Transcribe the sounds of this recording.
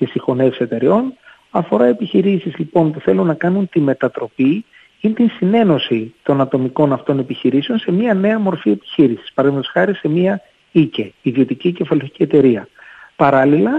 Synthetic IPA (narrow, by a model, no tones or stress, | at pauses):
t̪isixo̞nefse̞t̪e̞ɾio̞n | ɐfo̞ɾɐe̞piçiɾisizlipo̞npuθe̞lunːɐkɐnunt̪ime̞t̪ɐt̪ɾo̞pi | int̪insine̞no̞sit̪o̞nɐt̪o̞miko̞nɐft̪o̞ne̞piçiɾise̞o̞nse̞miɐne̞ɐmo̞ɾfie̞pi̥çiɾisi̥spɐɾɐðimet̪osxɐɾise̞miɐ | ice̞iðio̞t̪icice̞fɐloçi̥cie̞t̪e̞ɾiɐpɐɾɐlilɐ